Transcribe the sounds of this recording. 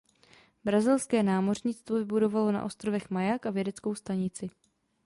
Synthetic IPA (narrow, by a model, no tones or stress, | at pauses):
bɾazɪlskɛːnaːmo̞rɲɪt͡st̪vo̞vɪbudo̞valo̞na̰ʔo̞st̪ɾovɛxmajakʔavjɛdɛt͡sko̞wst̪aɲɪt͡sɪ